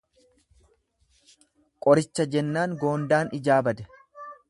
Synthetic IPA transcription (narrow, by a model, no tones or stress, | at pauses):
kʼɔɾɪt͡ʃːɐd͡ʒɛnːaːŋɡo̞ːnd̪aːnɪd͡ʒaːbɐd̪ɛ̥